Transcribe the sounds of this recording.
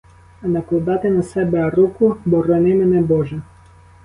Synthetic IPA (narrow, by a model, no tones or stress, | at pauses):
nɐplˠɔd̪ɑt̪ɪnɐsɛbɛɐɾukʊbɔɾɔnɪmɪnɛbɔʒɛ